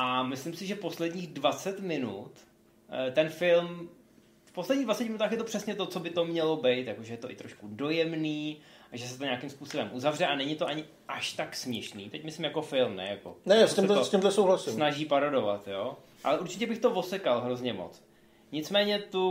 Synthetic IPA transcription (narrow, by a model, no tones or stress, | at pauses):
ʔamɪslɪmsɪʒɛpo̞slɛdɲiːɣdvat͡sɛt̪mɪnṵt̪ | t̪ɛnfɪlm | fposlɛdɲiːɡdvat͡sɛcmɪnut̪aːxjɛt̪opr̥ɛsɲɛt̪o̞t͡so̞bɪt̪o̞mɲɛlo̞bɛjt̪jakoʒɛjɛt̪o̞ʔɪt̪ɾoʃkudo̞jɛmniːʔaʒɛsɛt̪oɲaːkɪmspuːso̞bɛmʔuzavr̝ɛʔanɛɲɪt̪oʔaɲɪ | ʔaʃt̪aksmɲɛʃniːt̪ɛcmɪslɪmjako̞fɪlmnɛ̰jako̞̰nɛsimslɛosimdlɛsowɦlasɪsmnaʒiːpaɾodo̞vat̪joː | ʔa̰lɛʔuɾt͡ʃɪcɛbɪxt̪ovo̞sɛkalɦɾozɲɛmo̰t͡s | ɲɪt͡smɛːɲɛt̪u